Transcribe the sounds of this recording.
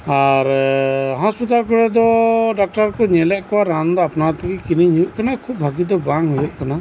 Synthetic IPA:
aɾɦɔspit̪alkɔɽɛd̪ɔɖak̚ʈaɾkɔɲɛlɛʔkɔwaɾand̪ɔapnat̪ɛkikiniɲujuʔkanakʰub̚bʱaɡid̪ɔbaŋujuʔkana

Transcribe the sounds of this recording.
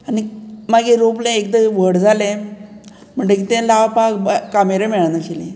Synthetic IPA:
animaɡẽɾoplẽekd̪əʋəɽd͡zʱalẽ | m̤əɳd͡ʑekit̪ɛ̃laʋpakbkameɾẽmɛɭanaɕilẽ

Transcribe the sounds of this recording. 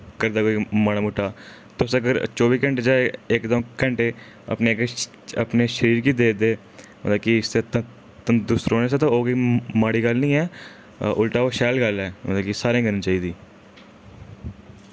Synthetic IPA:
kəɾd̪aːkoːimaɽaːmʊʈːaː | t̪osəɡəɾt͡ʃoːbiːkə̃ɳʈeːd͡ʒaːeeːkd̪ə̃kə̃ɳʈeː | ə̰pneːɡ | ə̰pneːʃəɾiːɾkiːd̪eːd̪eː | mə̰t̪ləkiset̪ | t̪əd̪ʊsɾoːneset̪oːoːkiːmaːɽiːɡəlnĩːɛː | ʊlʈaːoʃɛːlɡəlɛːmət̪ləkisaːɾẽːɡənĩt͡ʃaːiːd̪iː

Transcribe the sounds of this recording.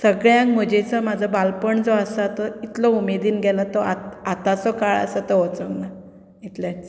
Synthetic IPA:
səɡɭjãkm̤əd͡ʑet͡səmad͡zʱəbalpəɳd͡zɔəsat̪ɔit̪lɔumed̪iːnɡɛlat̪ɔat̪at̪at͡sɔkaɭə̰sət̪ɔɦɔt͡səŋɡna | it̪ljat͡s

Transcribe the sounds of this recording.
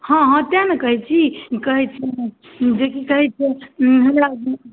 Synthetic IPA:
hɔ̃ɦãt̪janekəɦɛt͡ʃʰikəɦɛt͡ʃʰɛ | d͡ʒekikəɦɛt͡ʃʰɛɦɐmɾa

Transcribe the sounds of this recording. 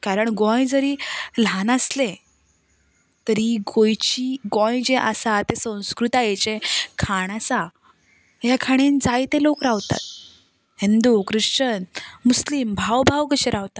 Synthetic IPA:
kaɾəɳɡɔ̃jd͡zəɾiːlanəslẽ | t̪əɾiɡojt͡ɕiɡɔ̃jd͡ʑeʔasat̪esə̃w̃skɾut̪ajet͡ɕẽkʰaɳasa | jakʰaɽ̃end͡zajt̪ẽlokɾaʋt̪a̰t̪̚ | hind̪ukɾɨʂt͡ɕənmuslimbʱawbʱawkəɕeɾaʋt̪a

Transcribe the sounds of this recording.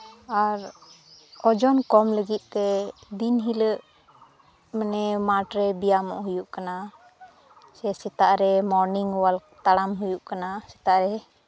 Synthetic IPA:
aɾ | ɔd͡ʒɔnkɔmləɡit̪̚ˀt̪ɛd̪inɦiləʔ | mɛnɛmaʈɾɛbijamɔ̰ʔɦujuʔkana | sɛsɛt̪aʔɾɛmɔɾniŋwalt̪aɽamɦujuʔkanasɛ̥t̪aʔɾɛ

